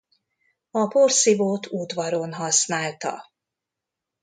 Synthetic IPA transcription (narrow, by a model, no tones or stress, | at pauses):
ɒporsivoːt̪ud̪ʋɒɾonɦɒsnaːlt̪ɒ̰